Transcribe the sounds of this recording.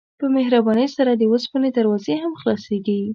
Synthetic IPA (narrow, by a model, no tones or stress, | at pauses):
pəmeɦɾabɑnəjsaɾad̪əwəspɑned̪aɾwɑzehamxlɑseɡi